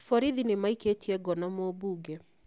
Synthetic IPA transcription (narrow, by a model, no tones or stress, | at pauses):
fɔɾiðinemaiketiɛɡɔnamobuːɡɛ